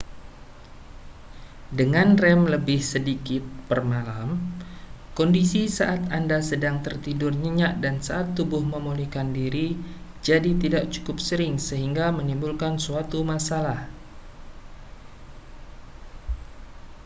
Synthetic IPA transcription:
dəŋanrɛmləbɪhsədikɪt̪̚pərmalam | kɔndisisaʔat̪andasədaŋt̪ərt̪idʊrɲəɲaʔdansaʔat̪ːubʊhməmulihkandiɾid͡ʒadit̪idaʔ̚t͡ʃu̥kʊp̚səɾɪŋsəɦiŋɡamənimbʊlkansuat̪umasalah

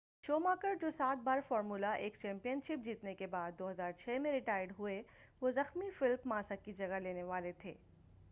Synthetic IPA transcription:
ʃoːmaːkəɾd͡ʒoːsaːt̪̚baːɾfɔːɾmuːlaʔeːkt͡ʃɛ̃ːmpijənʃɪp̚d͡ʒiːt̪nekebaːd̪ːoːɦɐzaːɾt͡ʃʰɛːmẽɾɪʈaːɪɖɦʊe | ʋozɐxmifɪlpmãːsakid͡ʒɐɡaleːneʋaːlet̪ʰeː

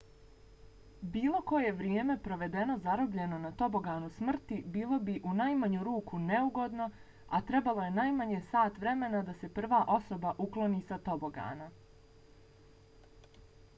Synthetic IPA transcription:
biːlˠo̞ko̞je̞ʋɾjeːme̞pɾo̞ʋe̞d̪e̞no̞zaɾobʎe̞no̞nat̪o̞bo̞ɡaːnusmr̩t̪ibiːlˠo̞biʔunajmaɲuɾuːkʰune̞uɡo̞d̪no̞ | at̪ɾe̞balo̞je̞najmaɲeːsaːt̪ʋɾe̞me̞nad̪ase̞pr̩ʋaːʔo̞so̞baʔuklˠo̞niːsat̪o̞bo̞ɡa̰ːna

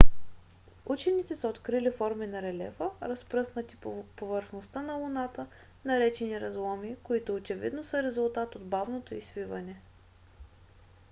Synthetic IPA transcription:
ut͡ʃɛnit̪ɛsəot̪kɾilifɔɾminɐɾɛlɛ̰vəɾɐspɾɤsnət̪i̥povəɾxnost̪ənɐlˠʊnat̪ə | nɐɾɛt͡ʃɛniɾɐzlˠɔmikoit̪ʊːt͡ʃɛvḭd̪nosəɾɛzʊlˠt̪at̪od̪bavnot̪oisvivɐnɛ

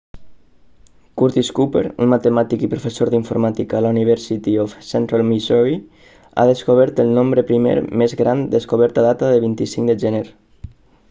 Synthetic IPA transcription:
kuɾt̪iskupḛɾṵnmat̪əmat̪ikipɾufəsoɾðiɱfuɾmat̪ikaːlauniβɛɾsit̪iofsɛnt̪ɾalmisɔi | a̰ðəskoβ̞ɛɾt̪əlˠnombɾəpɾimḛɾmezɣɾand̪əskoβɛɾt̪aðat̪aðəlβint̪isiŋd̪əʒɛneɾ

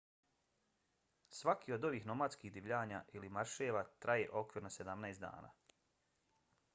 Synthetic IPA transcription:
sʋakiːo̞d̪o̞ʋiːxno̞mad̪skiːɦd̪iʋʎaːɲaːʔilimaɾʃeːʋaːt̪ɾʔajeʔo̞kʋiɾnosed̪amnaesd̪a̰ːna̰ː

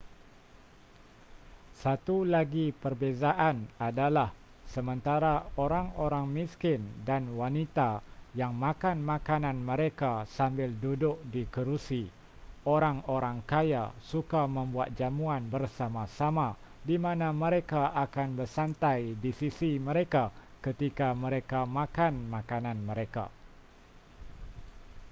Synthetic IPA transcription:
sat̪ulaɡipərbezaʔanadalah | səmə̃nt̪aɾaoɾaŋoɾaŋmiskɪndanwanit̪ajaŋmãkanmãkanãnmə̃ɾekasambɪldudʊk̚dikəɾusi | oɾaŋoɾaŋkajasukamə̃mbuat̪̚d͡ʒamuanbərsamasama | dimãnãmə̃ɾekaʔakanbərsant̪ajdisisimə̃ɾeka | kət̪ikamə̃ɾekamãkanmãkanãnmə̃ɾeka̰

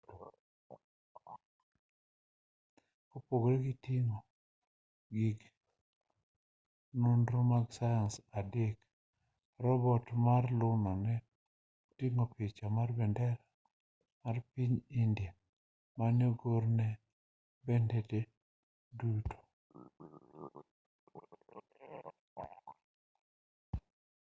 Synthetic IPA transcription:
kopoɡɾɛɡitiŋɔ | ɡiɡ | nundɾomaɡsajansadek | rɔbɔtmarlʊnɔnɛ | tiŋopɪt͡ʃamarbɛndɛɾa | marpiɲindja | manjoɡoɾnɛ | bɛndete | duto̥

